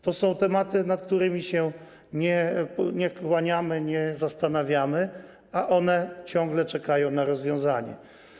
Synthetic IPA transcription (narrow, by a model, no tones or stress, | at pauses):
t̪ɔsɔ̃w̃t̪ɛmat̪ɘnat̪̚kt̪uɾɘmʲiɕɛ | ɲɛɲɛkwaɲamɘɲɛzast̪anavʲjamɘ | aʔɔnɛt͡ɕɔ̃ŋɡlɛt͡ʂɛkajɔ̃w̃naɾɔzvʲjɔ̃w̃zaɲɛ̰